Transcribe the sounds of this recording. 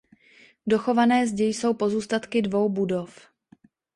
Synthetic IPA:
do̞xo̞vanɛːzɟɛjso̞wpo̞zuːst̪at̪kɪdvo̞wbudof

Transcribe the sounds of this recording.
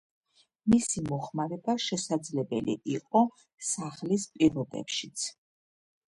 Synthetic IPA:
misimɔχmaɾɛbaʃɛsad̪zlɛbɛlḭʔiqʼɔ | saχlispʼiɾɔbɛ̰pʃit̪sʰ

